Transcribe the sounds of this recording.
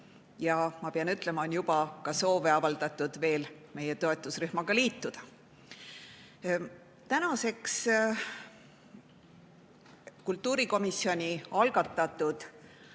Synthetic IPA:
jɑmɑpeɑnyt̪ˑle̞mɑonjub̥ɑkɑso̞ːve̞ɑvɑld̪̥ɑt̪ːˑud̪̥ve̞ːl | me̞je̞t̪o̞e̞t̪ːˑusryhmɑɡ̥ɑliːt̪ːud̪̥ɑ | t̪ænɑse̞ks | kult̪ːuːɾiko̞misːio̞nʲiɑlɡ̥ɑt̪ːˑɑt̪ːˑud̪̥

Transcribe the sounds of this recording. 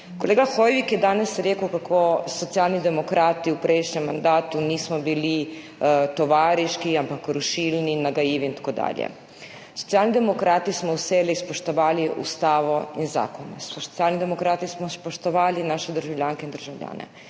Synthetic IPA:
koleːɡaxojʋikjɛd̪aːnɛsɾeːkəwkakʰosot̪sijaːlnid̪ɛmokɾaːt̪iupɾʔejʃɲɛmːand̪aːt̪uniːsmɔbili | t̪oʋaːɾiʃkiampakɾuʃilninaɡajiːʋiint̪ḁkod̪a̰ːljɛ̰ | so̥t̪siaːlnid̪ɛmokɾaːt̪ismɔuseːlispoʃt̪oʋaːliʔṵst̪aːʋoinza̰ːkonɛsot̪siaːlnid̪emokɾaːt̪ismɔspoʃt̪oʋaːlinaːʃɛd̪əɾʒawlʲjaːŋkeind̪əɾʒawlʎʲa̰ːnɛ̰

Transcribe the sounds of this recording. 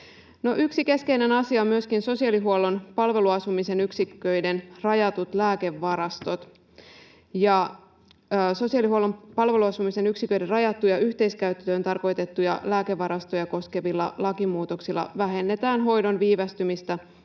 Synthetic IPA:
no̞ʔyksike̞ske̞jnenɑsiɑomːyøskinso̞siɑliɦuolːo̞npɑlʋe̞luɑsumise̞nyksikːø̞jde̞nrɑjɑt̪ut̪læːke̞ʋːɑɾɑst̪o̞t̪ | jɑː | so̞siɑlihuolo̞mpɑlʋe̞luɑsumise̞nyksikːø̞jde̞rɑjɑt̪ːujɑyçt̪e̞iskæyt̪ːøːnt̪ɑrko̞jt̪et̪ːujɑ̰læːke̞ʋːɑɾɑst̪o̞jɑko̞ske̞ʋilːɑ̰lɑkimuːt̪o̞ksilːɑ̰ʋæɦe̞nːet̪æːnɦo̞jdo̞nʋiːʋæst̪ymist̪æ

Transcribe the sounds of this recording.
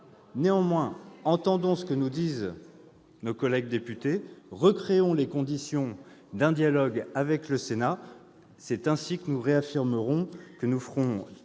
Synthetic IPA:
neɑ̃mwɛ̃ɑ̃t̪ɑ̃d̪ɔ̃sə̥kənud̪iz | nokɔlɛɡ̚d̪epyt̪eʁəkχeɔ̃lekɔ̃d̪isjɔ̃ | d̪ɛ̃d̪jalɔɡavɛkləsena | sɛt̪ɛ̃sikənuʁeafiʁməʁɔ̃kənufχɔ̃

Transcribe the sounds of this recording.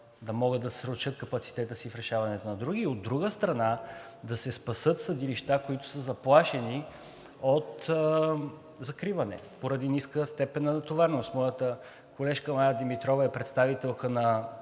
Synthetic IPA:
d̪ɐmɔɡɤd̪ːɐsɾot͡ʃɤət̪̚kɐpɐt̪si̥t̪ɛt̪əsifɾɛʃavɐnɛt̪onɐd̪ɾuɡ̟iːod̪ːɾuɡəst̪ɾɐna | d̪ɐsɛspɐsɤt̪sɐd̪iliʃt̪akoit̪ʊ̥səzɐplˠaʃɛni | ot̪ | zɐkɾivɐnɛ̰poɾɐd̪iniskəst̪ɛpɛnːɐnɐt̪ovaɾnost̪mɔjət̪ə | kolɛʃkəmajəd̪imit̪ɾɔvɐɛpɾɛt̪st̪avit̪ɛlˠkənɐ

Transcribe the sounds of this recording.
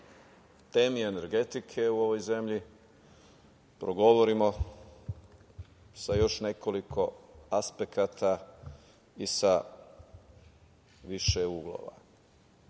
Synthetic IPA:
t̪e̞ːmie̞ne̞ɾɡe̞t̪ikʰe̞uo̞ʋo̞jze̞mʎi | pɾoɡo̞ʋo̞ɾimo̞ | sajo̞ʃne̞ko̞likʰo̞aspe̞kat̪ʰa | isa | ʋiʃeuːɡlˠo̰ːʋa̰

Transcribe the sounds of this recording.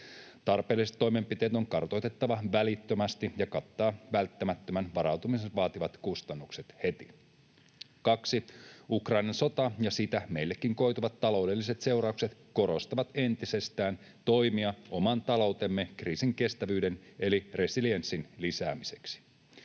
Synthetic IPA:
t̪ɑrpeːlːiset̪ːo̞jme̞mpit̪e̞ːt̪o̞ŋkɑrt̪o̞jt̪e̞t̪ːɑʋɑʋælit̪ːømæst̪ijɑkɑt̪ːɑːʋælt̪ːæmæt̪ːømænʋɑɾɑwt̪umisenʋɑːt̪iʋɑt̪kust̪ɑnːukse̞t̪he̞t̪i | kɑksiukrɑinɑnso̞t̪ɑjɑsit̪æme̞ijlːekːiŋko̞jt̪uʋɑt̪ːɑlo̞wde̞lːise̞t̪se̞wrɑukse̞t̪ko̞ɾo̞st̪ɑʋɑt̪e̞nt̪ise̞st̪æːn | t̪o̞jmiɑʔomɑnt̪ɑlo̞wt̪emːe̞kriːsiŋke̞st̪æʋyːde̞ne̞lire̞silie̞nsːinlisæːmise̞̥ksi̥

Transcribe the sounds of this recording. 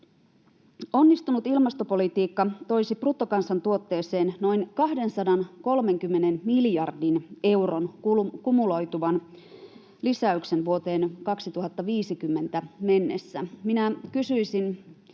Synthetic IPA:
o̞nːist̪unut̪ilmɑst̪opo̞lit̪iːkːɑt̪o̞jsiprut̪ːokɑnsɑnt̪uot̪ːe̞ːseːnno̞jnkɑɦde̞nsɑdɑnko̞lme̞ŋkymːenenmiljɑrdine̞uronukumulo̞jt̪uʋɑn | lisæykse̞nʋuot̪e̞ːnkɑksit̪uɦɑt̪ːɑʋiːsikymːe̞nt̪æme̞nːe̞sːæminækysyisin

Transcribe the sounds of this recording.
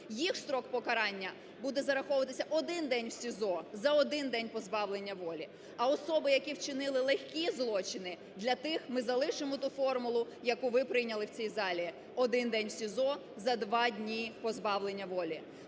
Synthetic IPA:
jixst̪ɾɔkpɔkɐɾɑnʲːɐ | bud̪ɛzɐɾɐxɔʊʋɐt̪ɪsʲɐʔɔd̪ɪnd̪ɛnʲwsʲizɔzɐɔd̪ɪnd̪ɛnʲpɔzbɑwlenʲːɐʋɔlʲi | ɐɔsɔbɪjɐkʲiwt͡ʃɪnɪlˠɪlˠexʲkʲizlˠɔt͡ʃɪnɪ | d̪lʲɐt̪ɪxmɪzɐlˠɪʃɪmɔt̪ufɔrmʊlˠʊjɐkuʋɪpɾɪjnʲɐlˠɪwt͡sʲijzɑlʲii | ɔd̪ɪnd̪ɛnʲwsʲizɔ | zɐd̪ʋɑdʲnʲipɔzbɑʋlˠe̞nʲːɐʋɔlʲi

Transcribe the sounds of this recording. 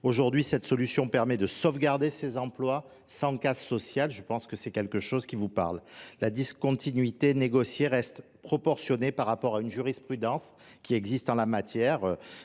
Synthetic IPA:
oʒuʁd̪ɥisɛt̪sɔlysjɔ̃pɛʁmɛd̪əsɔvɡaʁd̪esezɑ̃plwa | sɑ̃kazsɔsjalʒəpɑ̃skəsɛkʲɛlkəʃozkʲivupa̰ʁllad̪iskɔ̃t̪ʰinɥit̪eneɡɔsjeʁɛst̪ | pχɔpɔʁsjɔnepaʁːapɔʁaynʒyʁispχyd̪ɑ̃skʲiɛɡzist̪ɑ̃lamat̪jɛʁø

